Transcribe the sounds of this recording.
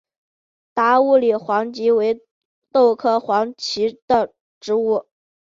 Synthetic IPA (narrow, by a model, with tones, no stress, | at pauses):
t̪a˧˥u˥˩li˨˩xwɑ˧˥ŋt͡ɕi˧˥we˧˥ɪ | t̪o˥˧ʊkʰɤ˥˩xwɑ˧˥ŋt͡ɕʰi˧˥d̪ə˧˨ | ʈ͡ʂɻ̩˧˥u˥˩